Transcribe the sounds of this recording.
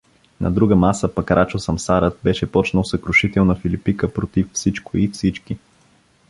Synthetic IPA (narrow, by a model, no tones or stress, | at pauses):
nʔɐ̰d̪ɾuɡəmasəpɐkɾʔat͡ʃosɐmsaɾət̪̚bɛʃɛpɔt͡ʃnəlˠsəkɾʊʃit̪ɛlˠnəfilipikəpɾot̪iffsit͡ʃkoifsit͡ʃki